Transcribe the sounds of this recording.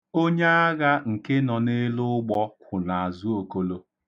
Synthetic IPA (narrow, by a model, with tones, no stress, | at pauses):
o˦ɲe˦a˦ɣa˦ŋ̩˨ke˦nɔ˨ne˦lʊ˦ɡ͡bɔ˦kʷʰʊ˨na˨a˨zʊ˦o˨ko˦lo˦